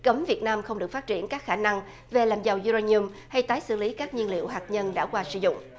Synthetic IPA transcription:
kə˨˦mvi˨˩ət̚naː˧mxə˧ŋ͡mɗɨ˨˩ək̚faː˦˥t̚t͡ɕi˧˩ənkaː˦˥k̚xaː˧˩na˧ŋ | ve˨˩laː˨˩mza˨˩wzu˧ɾaː˧nu˧m | ha˧jt̪aː˨˦jsɨ̰˧˩li˨˦kaː˦˥k̚ɲi˧ənlḭ˧˨əwɦaː˨˩k̚ɲə˧nɗa̰ː˧˥kwaː˧sɨ̰˧˩zʊ̰˧˨ŋ͡m

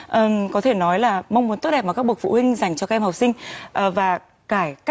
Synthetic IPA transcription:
ʔəː˨˩kɔ˨˦t̪ʰe˧˩nɔ˨˦jlaː˨˩mə˧wŋ͡mmu˨˦nt̪o˦˥t̚ɗɛ˨˩p̚aː˨˩kaː˦˥kɓu˨˩ək̚fṵ˧˨hwï˧ŋ̟za˨˩jŋ̟t͡ɕɔ˧aː˦˥ʔɛ˧mha˨˩k͡p̚sï˧ŋ̟ʔvaː˨˩ | kaː˧˩jka˦˥

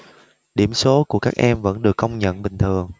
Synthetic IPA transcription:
ɗi˧˩əmso˨˦ku˧˩əkaː˦˥k̚ʔɛ˧mvə̰˧˥nɗɨ˨˩əkːə˧wŋ͡mɲə̰˧˨nɓï˨˩ŋ̟t̪ʰɨ˨˩əŋ

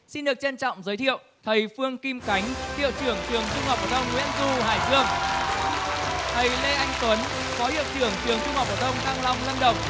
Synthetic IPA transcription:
si˧nɗɨ˨˩ək̚t͡ɕe˧nt͡ɕɔ̰˧˨wŋ͡mzəː˨˦jt̪ʰḭ˧˨əw | t̪ʰə˨˩jfɨ˧əŋki˧mka˨˦jŋ̟t̪ḭ˧˨əwt͡ɕɨ˧˩əŋt͡ɕɨ˨˩əŋt͡ɕu˧ŋ͡mhɔ˨˩p̚ʔəː˧˩t̪ʰə˧wŋ͡mŋːwḭ˧˥ənzu˧ɦaː˨˩jzɨ˧əŋ | t̪ʰə˨˩jle˧ʔa˧jŋ̟kwə˨˦n | fɔ˨˦hḭ˧˨əwt͡ɕɨ˨˧˩əŋt͡ɕɨ˨˩əŋt͡ɕu˧ŋ͡mhɔː˨˩p̚əː˧˩t̪ə˧wŋ͡mt̪aː˧ŋla˧wŋ͡mlə˧nɗə˨˩wŋ͡m

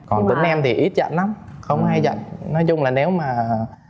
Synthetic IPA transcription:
kɔ˨˩nt̪ï˨˦ŋ̟ʔɛ˧mt̪ʰi˨˩ʔi˦˥t̚zə̰˧˨nla˨˦wŋ͡mxə˧wŋ͡mha˧jzə̰˧˨nnɔ˨˦jzʊ˧ŋ͡mlaː˨˩ne˨˦wmaː˨˩

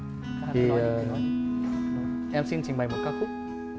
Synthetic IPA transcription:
t̪ʰi˨˩˨ | ʔɛ˧msi˧nt͡ɕi˨˩ŋ̟ɓa˨˩jmo˨˩kaː˧˥kʊ˦˥k͡p̚

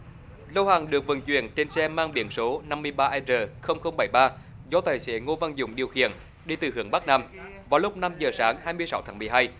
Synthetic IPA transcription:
lə˧whaː˨˩ŋɗɨ˨˩ək̚vɨ̰˨˩nt͡ɕwḭ˧˨ənt͡ɕe˧nsɛ˧maː˧ŋɓḭ˧˨˦ənso˨˦na˧mːɨ˧əjɓaː˧ʔaː˧zəː˨˩xə˧wŋ͡mxə˧wŋ͡mɓə˧˩jɓaː˧ | zɔ˧t̪aː˨˩jsḛ˧˩ŋo˧va˧nzʊ̰˧˩wŋ͡mɗi˨˩əwxḭ˧˨ən | ɗi˧˩t̪ɨ˨˩hɨ˨˧˦əŋɓa˦˥k̚naː˧mvaː˨˩lʊ˦˥k͡p̚na˧mzəː˨˩saː˨˦ŋhaː˧jmɨ˧əsa˨˦wt̪ʰaː˨˦ŋmɨ˨˩əjɦaː˧j

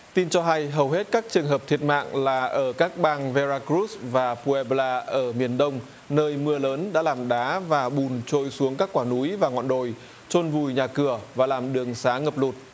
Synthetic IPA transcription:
t̪i˧nt͡ɕɔ˧ɦa˧jɦə˨˩wɦe˦˥t̚kaː˦˥k̚t͡ɕɨ˨˩əŋɦəː˨˩p̚t̪ʰi˨˩ət̚ma̰ː˧˨ŋlaː˨˩ʔəː˧˩kaː˦˥k̚ɓaː˧ŋvɛ˧zaː˧kɾu˦˥svaː˨˩pu˧ɛ˧ɓlaː˧ʔəː˧˩mi˨˩ənɗə˧wŋ͡m | nəː˧jmɨ˧ələː˨˦nɗa̰ː˧˥laː˨˩mɗaː˨˦vaː˨˩ɓu˨˩nt͡ɕo˧jsu˨˦əŋkaː˦˥kːwaː˧˩nu˨˦jvaː˨˩ŋɔ̰˧˨nɗo˨˩j | t͡ɕo˧nvu˨˩jɲaː˨˩kɨ˧˩əvaː˨˩laː˨˩mɗɨ˨˩əŋsaː˨˦ŋə˨˩p̚lu˨˩t̚

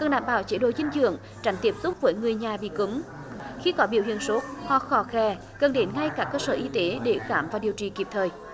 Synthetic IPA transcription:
kə˨˩nɗaː˧˨mɓa̰ː˧˩wt͡ɕe˨˦ɗo˧˩zï˧ŋ̟zɨ̰˧˨əŋ | t͡ɕa˨˦jŋ̟t̪i˦˥əp̚zʊ˦˥k͡p̚vəː˨˦jŋɨ˨˩əjɲaː˨˩ɓḭ˧˨kɨ˨˦m | xi˧kɔ˨˦ɓi˧˩əwhḭ˧˨ənso˨˦˥t̚hɔ˧˩xɔ˨˦xɛ˧˩ | kə˨˩nɗe˨˦nŋa˧jkaː˦˥kːəː˧səː˧˩ʔi˧t̪e˨˦ɗe˧˩xaː˧˩mvaː˨˩ɗi˨˩əwt͡ɕi˨˩ki˨˩p̚t̪ʰəː˨˩j

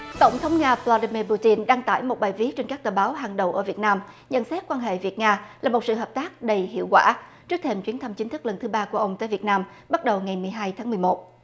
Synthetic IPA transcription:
t̪ə˧˩wŋ͡mt̪ʰə˨˦wŋ͡mŋaː˧vla˧ɗi˧mi˧pu˧t̪i˧nɗaː˧ŋt̪a̰ː˧˩jmo˨˩t̚ɓaː˨˩jvi˦˥ək̚t͡ɕe˧nkaː˦˥k̚t̪əː˨˩ɓaː˨˦wɦa˨˩ŋɗə˨˩wʔəː˧˩vi˨˩ət̚naː˧m | ɲə̰˧˥nsɛ˦˥t̚kwaː˧nɦḛ˧˨vi˨˩ət̚ŋaː˧laː˨˩mo˨˩t̚sɨ̰˧˨ɦəː˨˩p̚t̪aː˦˥k̚ɗə˧jhḭ˧əwkwa̰ː˧˩t͡ɕɨ˦˥k̚t̪ʰe˧mt͡ɕwi˨˦ənt̪ʰa˧mt͡ɕï˨˦nt̪ɨ˦˥k̚lə˨˩nt̪ʰɨ˨˦ɓaː˧ku˧˩əʔə˧wŋ͡mt̪əː˧˨jvi˨˩ət̚naː˧m | ɓa˦˥t̚ɗə˨˩wŋa˨˩jmɨ˨˩əjɦaː˧jt̪ʰaː˨˦ŋmɨ˨˩jmo˨˩t̚

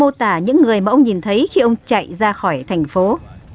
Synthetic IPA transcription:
o˧t̪aː˧˩ɲɨ̰˧˥ŋːɨ˨˩əjmaː˨˩ʔə˧wŋ͡mɲi˨˩nt̪ʰə˨˦jxi˧ʔə˧wŋ͡mt͡ɕa̰˧˨jzaː˧xɔ˧˩jt̪ʰɛ˨˩jŋ̟fo˨˦

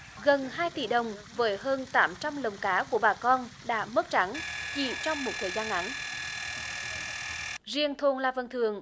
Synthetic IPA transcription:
ɣə˨˩nɦaː˧jt̪i˧˩ɗə˨˩wŋ͡mvəː˨˦jɦəː˧nt̪aː˨˦mt͡ɕa˧mlə˨˩wŋ͡mkaː˨˦ku˧˩əɓaː˨˩kɔ˧nɗa̰ː˧˥mə˦˥t̚t͡ɕa˨˦ŋki˧˩t͡ɕɔ˧wŋ͡mmo˨˩t̚t̪ʰəː˨˩jzaː˧nʔa˨˦n | zi˨˩ənt̪ʰo˨˩nlaː˨˩və˨˩nt̪ʰɨ˨əŋ

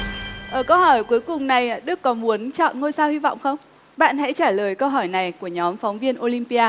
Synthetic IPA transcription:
ʔəː˧˩kə˧whɔ˧˩jku˨˦əjkʊ˨˩ŋ͡mna˨˩jɗɨ˦˥kːɔ˨˦mu˨˦ənt͡ɕɔ̰˧˨nŋo˧jsaː˧whi˧vɔ̰˧˨wŋ͡mxə˧wŋ͡m | ɓa̰ː˧˨nhɛ̰˧˥t͡ɕaː˧˩ləː˨˩jkə˧wɦɔ˧˩jna˨˩jku˧˩əɲɔ˨˦mfɔ˨˦wŋ͡mvi˧ənʔo˧li˧mpi˧aː˧

